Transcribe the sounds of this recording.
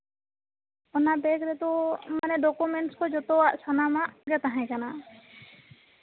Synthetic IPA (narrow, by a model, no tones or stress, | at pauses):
ɔnabɛkɾɛt̪ɔmanɛɖɔkumɛɳʈskɔd͡ʒɔt̪ɔwaʔsʰɔnamaɡɛt̪aɦɛ̃kana